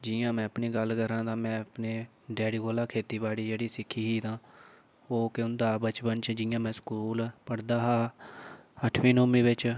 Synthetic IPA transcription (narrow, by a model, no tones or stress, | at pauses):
d͡ʒɪjãːmɛ̃ːəpniːɡəlkəɾãːd̪ãːmɛ̃ːəpneː | ɖɛːɽiːɡoːlaːkʰeːt̪iːbaːɽiːd͡ʒeːɽiːsɪkʰːiːɦiːd̪ãː | oːkʊnd̪aːbət͡ʃbənt͡ʃd͡ʒɪjãːmɛ̃ːskuːlpəɽd̪aːɦaː | əʈʰʋĩːnoːmĩːbɪt͡ʃ